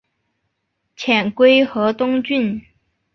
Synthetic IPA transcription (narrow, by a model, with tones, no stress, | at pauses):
t͡ɕʰjɛ˨˩nkwe˥ɪxɤ˧˥t̪ʊ˥ŋt͡ɕy˥˩n